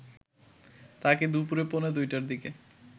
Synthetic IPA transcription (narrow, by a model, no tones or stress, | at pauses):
t̪aked̪upuɾeponed̪ujʈaɾd̪ike